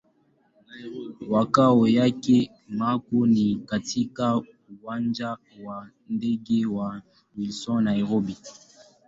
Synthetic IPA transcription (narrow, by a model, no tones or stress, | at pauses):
wakawɔjakɛ | makonikatʰika | uwand͡ʒa | wa | ndɛɡɛwa | wilsɔ̃naiʁobi